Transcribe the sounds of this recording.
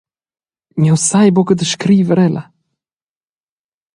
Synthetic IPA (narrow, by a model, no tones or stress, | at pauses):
mʲjawsajbɔkəd̪əʃkɾivəɾɛla